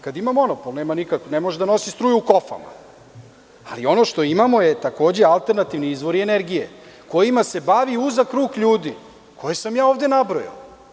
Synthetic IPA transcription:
kad̪imamo̞no̞polˠne̞ːmanikakʋonemoʒd̪ano̞sist̪ɾuːjuuko̞fa̰ma̰ | a̰lio̞no̞ʃt̪o̞imamo̞je̞t̪ako̞ːd͡ʑe̞alˠt̪e̞ɾnat̪iʋniizʋo̞ɾieneɾɡije | ko̞jimase̞baʋiuzakɾuːkʎuːd̪i | kʰo̞jesamjaːo̞ːvd̪e̞nabɾoja̰

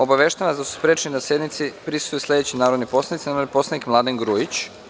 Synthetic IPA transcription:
o̞baʋeʃt̪aʋanzd̪asu̥spɾet͡ʃenid̪asje̞d̪nit̪sipɾisu̥st̪ujuslʲe̞d̪et͡ɕinaːɾod̪nipo̞slanit̪sinapo̞slˠanikmlˠad̪eŋɡɾujit͡ɕ

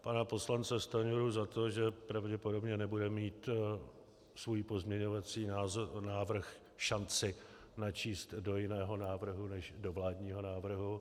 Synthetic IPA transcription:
panapo̞slant͡sɛst̪aɲuɾuzat̪o̞ʒɛpɾavɟɛpo̞do̞bɲɛnɛbudɛmiːt̪ | svujpo̞zmɲɛɲo̞vat͡siːnaːvr̩x | ʃant͡sɪ | nat͡ʃiːst̪do̞jɪnɛːɦo̞naːvr̩ɦunɛʒdovlaːdɲiːɦo̞naːvr̩ɦu

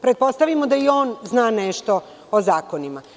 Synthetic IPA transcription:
pɾet̪̚po̞st̪aʋimod̪aio̞ːnznaːneʃt̪o̞ | ozaːkonima

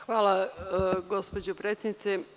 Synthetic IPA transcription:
xʋaːlˠa | ɡo̞spod͡ʑopɾeːt̪sʲjednit̪se

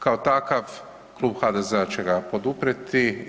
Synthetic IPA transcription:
kaot̪akaʋ | klˠuːbxad̪ezeat͡ʃeɡapo̞d̪upɾet̪i

